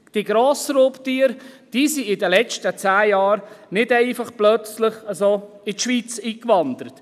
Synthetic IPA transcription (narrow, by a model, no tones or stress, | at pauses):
d̥iɡɾoːsɾoːptiːəɾd̥iːsiɪdəlɛt͡ʃtət͡sæːjɑːɾnɪdɛɪfɑχplœt͡slɪχasoː | ɪtʃʋiːt͡siːkʋɑnd̪əɾət